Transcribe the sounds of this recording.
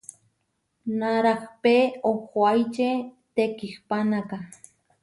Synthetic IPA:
naɾahpeohwajt͡ʃe | t̪ekihpanaka

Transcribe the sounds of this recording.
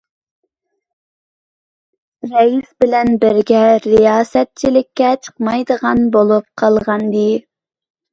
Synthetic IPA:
ɾɛisbɪlɛnbɪɾɡʲɛɾijɑːsɛt̪̚t͡ʃʰilɪkʲːɛt͡ʃʰə̥qmɑjd̪əʁɑnbolˠup̚qʰɑlˠʁɑnd̪ɨ

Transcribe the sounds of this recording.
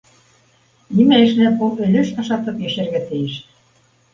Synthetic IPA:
nimæɘ̆ʃnæpolɘ̆lʲɘ̆ʃɑʃɑt̪ɤpjø̆ɕɘ̆ɾɣæt̪ɘ̆jɘ̆ʃ

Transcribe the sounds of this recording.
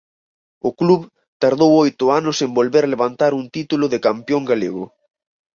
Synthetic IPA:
ʊkluβ | t̪aɾðowojt̪ʊanʊsembolβeɾaleβant̪aɾunt̪it̪ulʊðɪkampjoŋɡaleɣʊ̰

